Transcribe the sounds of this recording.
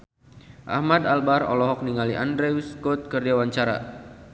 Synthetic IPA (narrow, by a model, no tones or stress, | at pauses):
ʔa̰hmad̪albarɔ̰lɔɦɔk̚niŋaliʔa̰ndɾeuskɔt̪̚kərd͡ʒawaɲt͡ʃaɾa̰